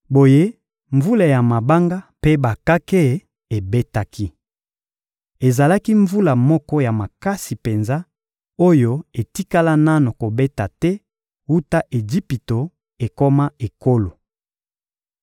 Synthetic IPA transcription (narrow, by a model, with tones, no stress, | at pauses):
bo˨je˦ | ɱvu˦la˨ja˨ma˨ba˦ŋɡa˦pe˦ba˨ka˦ke˦˨˦ | e˨be˦ta˦kʰi˦ | e˨za˨la˦ki˦ɱvu˦la˨mɔ˦kɔ˦ja˨ma˨ka˦si˨pe˨nza˦ | o˦jo˦e˨ti˦ka˦la˦na˦no˨ko˨be˦ta˨tɛ˦ | wu˦ta˦ʔe˨d͡ʒi˦pi˨to˨ | e˨ko˦ma˦e˨ko˦lo˨